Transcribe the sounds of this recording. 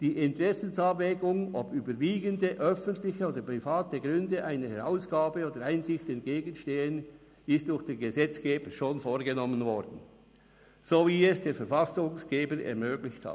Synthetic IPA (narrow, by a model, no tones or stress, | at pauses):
d̥iːʔɪntʁɛsənsabvɛːɡʊŋopyːbəɾviːɡəndəʔœfəntlɪçəoːdəpʁifaːtəɡʁʏndəʔaɪnəhɛʁaʊsɡ̥aːbəoːdəɾaɪnzɪçtɛnt̚ɡ̥eːɡənʃteːən | ɪstdʊxd̥eːnɡəzɛt͡sɡ̥eːbəʃoːnfoːɾɡənɔmənvɔɾd̥n̩ | z̥oːviːɛsd̥eːɾfɛɾfasʊŋsɡ̥eːbəɾɛ̰ɾmøːɡlɪçtha̰t